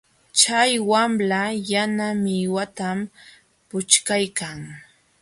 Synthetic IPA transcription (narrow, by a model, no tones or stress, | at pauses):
t͡ʃajwamlajanamɪwat̪am | pʊt͡ʃkajkaŋ